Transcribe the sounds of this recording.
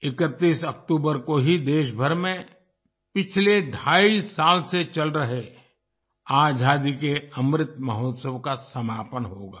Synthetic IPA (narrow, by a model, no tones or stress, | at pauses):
ɪkət̪ːiːsək̚ʈuːbəɾkoɦid̪eːʃbʱəɾmẽ | pɪt͡ʃʰledʱaːisaːlset͡ʃɐlɾɐɦe | aːd͡ʒʱaːd̪ikeɐmɾɪt̪mɐɦoːt̪səwkasɐmaːpənɦoːɡaː